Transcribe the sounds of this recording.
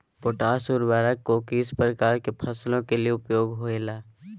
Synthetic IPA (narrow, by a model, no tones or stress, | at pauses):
poːʈaːsuːɾʋaːɾəkːokiːspɾəkaːɾkepʰəslõkelieʊpjoːɡɦoelaː